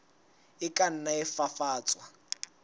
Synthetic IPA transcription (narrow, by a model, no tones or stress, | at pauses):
ɪkʼan̩naɛfafaːt͡sʼwa